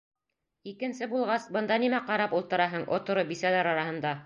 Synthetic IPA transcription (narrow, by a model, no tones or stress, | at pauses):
ikɘ̆nsɘbulˠʁɑsbɤ̆nd̪ɑnimæqɑɾɑpulˠt̪ɤ̆ɾɑɦɤɴʔŏ̰t̪ŏɾobisælæɾɑɾɑhɤ̆nd̪ɑ